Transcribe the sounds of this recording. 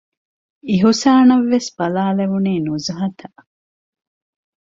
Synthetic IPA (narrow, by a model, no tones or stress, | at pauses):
iɦusaːnɐʋːesbɐlaːleʋuniːnuzɐɦɐt̪ʰɐ